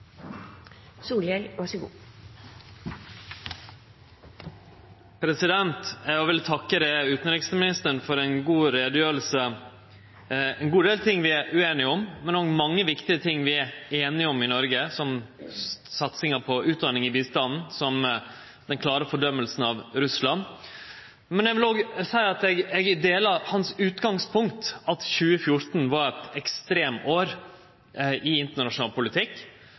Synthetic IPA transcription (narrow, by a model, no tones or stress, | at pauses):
suːlɛɪʋɑʂəɡṵː | pʰɾɛsɪd̪ɛnt̪ɛʋɪlt̪ʰɑkːəɾɛʉːt̪n̩ɾɪksmɪnɪst̪əɳfɔɾɛɪnɡuːɾeːd̪jøːl̩sə | ɛnɡuːd̪eːlt̪ʰɪŋːʋɪæɾʔʉeːnɪəʊmmɛnɔmɑŋːəʋɪkt̪ɪət̪ʰɪŋːʋɪæeːnɪəʊmɪnɔɾɡəsɔm | sɑt̪sɪŋəpʰɔʉːt̪̚d̪ɑnɪŋɪbiːst̪ɑnn̩sɔm | d̪ɛnkʰlɑːɾəfɔɖœmːəlsn̩ɑʋɾʉslɑn | mɛnɛɡʋɪloːɡsæɪɑt̪ɛɡɛɡd̪eːlɑhɑnsʉːt̪ɡɑŋspʰʊŋk̚t̪ɑt̪çʉːəfjʊɾt̪n̩ʋɑɾɛt̪ɛkst̪ɾeːmoːɾ | ʔɪɪnt̪əɳɑʂʊnɑːlpʊlɪt̪ʰɪkː